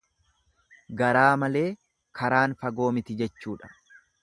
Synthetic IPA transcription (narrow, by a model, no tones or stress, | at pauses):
ɡɐɾaːmɐle̞ː | kʰɐɾaːnfɐɡo̞ːmɪt̪ɪd͡ʒɛt͡ʃːuːᶑɐ̥